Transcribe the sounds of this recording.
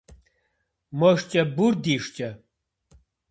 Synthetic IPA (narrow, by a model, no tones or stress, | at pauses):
mɔʂt͡ʃʼɐbuɾd̪iʂt͡ʃʼɐ